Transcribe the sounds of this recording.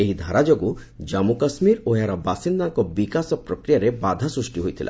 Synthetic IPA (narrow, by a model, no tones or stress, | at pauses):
eɦid̪ʱaɾad͡ʒoɡu | d͡ʒamukasmiɾoeaɾabasind̪aŋkɔbikasɔpɾɔkɾijaɾebad̪ʱasɾusʈiɦojt̪ʰila̰